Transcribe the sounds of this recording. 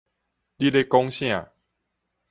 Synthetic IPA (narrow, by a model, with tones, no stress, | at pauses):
li˦le˧kɔ˦ŋɕj̃ã˥˨